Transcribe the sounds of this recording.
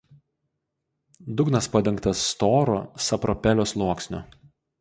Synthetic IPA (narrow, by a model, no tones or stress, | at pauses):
d̪ʊɡnɐspɐd̪ʲɪŋkt̪ɐsːt̪oːɾo̰sɐpɾɔpʲɛlʲoːslˠuɔksʲnʲʊ